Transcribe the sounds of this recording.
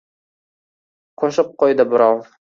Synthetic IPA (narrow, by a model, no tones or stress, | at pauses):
qʰoʃɪp̚qojd̪ɪbɪɾɑw